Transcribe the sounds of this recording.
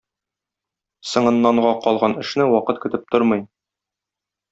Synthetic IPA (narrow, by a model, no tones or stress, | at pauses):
sɤ̆ɴɤ̆nːɑɴʁɑqɒlˠʁɑnɘ̆ʃnɘwɒqɤt̪̚kɵ̆t̪ɘp̚t̪oɾmɤj